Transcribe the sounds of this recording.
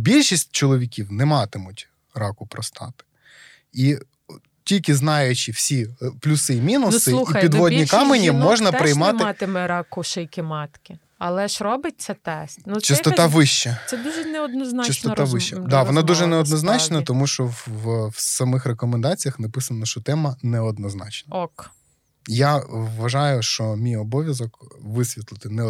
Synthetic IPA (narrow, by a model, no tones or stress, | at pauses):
bʲilʲʃisʲt̚ʲt͡ʃɔlˠɔʋʲikʲiwnɛmɑt̪ɪmʊtʲ | ɾɑkʊpɾɔst̪ɑ̰t̪ɪ̥ | i | tʲilʲkɪznɑjʊt͡ʃɪwsʲiplʲusɪmʲinʊnsɪuiɐpʲid̪ʋɔdnʲikɑmenʲimɔʒnɐpɾɪjmɑtmɪɑt̪ɪmɛɾɑkʊʃɛjkʲɪmɑt̪kʲɪ | ɐlˠɛʃɾɔbɪt̚ʲt͡s̪ʲɛt̪ɛst̪nut͡ʃɪst̪ɔt̪ɑʋɪʃt͡ʃɛsɛd̪uʒɛnɛɔd̪nɔznɑt͡ʃɪst̪ɔt̪ɑʋɪʃɛd̪ɑʋɔnɑd̪uʒɛnɛɔd̪nɔznɑt͡ʃnɐt̪ɔmuʃt͡ʃɔwsɐmɪxrekɔmend̪ɑt͡sʲijɐxnɐpɪsɐnɐʃt͡ʃɔt̪ɛmɐnɛɔd̪nɔznɑt͡ʃnɐɔk | jaʋːɐʒɑjʊʃt͡ʃɔmʲijɔbɔʋʲjɐzɔkʋɪsʲʋʲit̪lˠɪt̪ɪnɛ